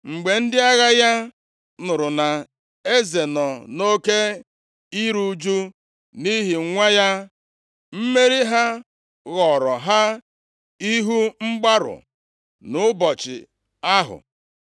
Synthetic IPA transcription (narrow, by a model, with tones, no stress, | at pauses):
ŋ͡m̩˨ɡ͡be˨n̩˦dɪ˦a˦ɣa˦ja˦ | nʊ˨ɾʊ˨na˨ | e˦ze˨nɔ˨no˦ke˦ | i˦ɾu˨˦d͡ʒu˦ | ni˦ɦi˨˦ŋʷa˦ja˦ | m̩˦me˦ɾi˦ɦa˦ | ɣɔ˨ɾɔ˨ɦa˦ | i˦ɦu˦ŋ͡m̩˦ɡ͡ba˦ɾʊ̰˨ | nʊ˨˦bɔ˨t͡ʃɪ̰˨ | a˦ɦʊ̰˨